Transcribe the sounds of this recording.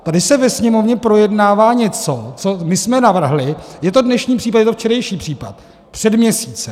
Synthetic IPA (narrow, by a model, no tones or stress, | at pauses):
t̪adɪsɛvɛsɲɛmo̞vɲɛpɾo̞jɛdnaːvaːɲɛt͡sot͡so̞mɪsmɛnavr̩ɦlɪjɛt̪o̞dnɛʃɲiːpr̥iːp̬at̪jɛt̪oft͡ʃɛɾɛjʃiːpr̥iːpa̰t̪̚ | pr̝̥ɛdmɲɛsiːt͡sɛ